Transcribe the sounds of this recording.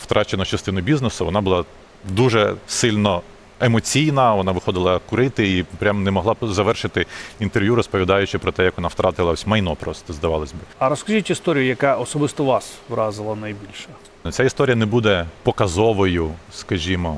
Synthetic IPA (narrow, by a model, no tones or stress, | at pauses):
wt̪ɾʔɑt͡ʃenɐt͡ʃɐst̪ɪnʊbʲiznesʊʋɔnɑbʊlˠɑ | d̪uʒɛsɪlʲnɔ | emɔt͡sʲijnɐʋɔnɑʋɪxɔd̪ɪlˠɐkʊɾɪt̪ɪipɾʲamnɛmɔɦlˠɑzɐʋɛrʃɪt̪ɪint̪erʋjuɾɔspɔʋʲid̪ɑjʊt͡ʃɪpɾɔt̪ɛjɐkʋɔnaft̪ɾʔɑt̪ɪlˠɐɔsʲmɐjnɔpɾɔst̪ɔzd̪ɐʋɑlˠɐsʲbɪɐɾɔskɐʒitʲist̪ɔɾʲijʊjɐkaʔɔsɔbɪst̪ɔʋɑsʋɾɑzɪlˠɐnɐjbʲilʲʃɛ | t͡sʲaist̪ɔɾʲjɐnɛbud̪ɛpɔkɐzɔʋɔjʊskɐʒʲimɔ